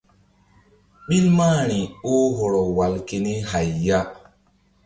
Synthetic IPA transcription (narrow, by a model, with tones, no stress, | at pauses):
ɓi˦lmaː˦ñi˨o˦ɦɔ˨ɾɔ˨wa˨lke˨ni˦ɦa˨jːa˦